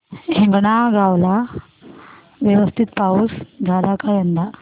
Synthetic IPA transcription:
ɦẽŋɡɽaɡʱawla | ʋjeʋəst̪ʰit̪̚pauːsɡʱalakajənd̪a

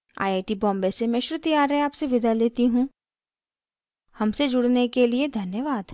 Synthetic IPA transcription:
a̰ːjaːʈibɔ̃ːmbesemɛ̃ʃʊɾut̪ijaːɾɦɛ̃aːpseʋɪd̪ʱaleːt̪iɦũ | hɐmsed͡ʒʊɽnekelied̪ʱɐnjəʋaːd̪

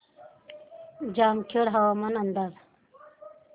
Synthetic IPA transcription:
d͡ʑaːmkʰeɽɦɐwaːmɐnɐnd̪aːz

